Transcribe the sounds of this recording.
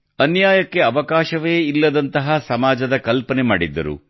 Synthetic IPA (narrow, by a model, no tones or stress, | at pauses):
ɐnjaːjɐkːe̞ɐʋɐkaːʃɐʋeːilːɐd̪ɐnt̪ɐɦɐsɐmaːd͡ʒɐd̪ɐkɐlpɐnema̰ːɽid̪ːɐ̰ɾṵ